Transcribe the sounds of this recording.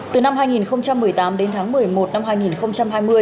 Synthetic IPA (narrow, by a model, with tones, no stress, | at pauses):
t̪ɨ˨˩na˧mɦaː˧jŋi˨˩nxə˧wŋ͡mt͡ɕa˧mːɨ˨˩əjt̪aː˨˦mɗe˨˦nt̪ʰaː˨˦ŋmɨ˨˩əjmo˨˩t̚na˧mhaː˧jŋi˨˩nxə˧wŋ͡mt͡ɕa˧mɦaː˧jmɨ˧əj